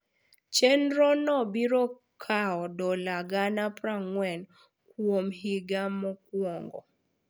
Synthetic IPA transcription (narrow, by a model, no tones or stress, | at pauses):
t͡ʃɛnɾɔnɔbiɾɔ | kʰaɔdɔlaɡanapɾaŋwɛn | kwomɦiɡamɔk̚wɔŋɡɔ̰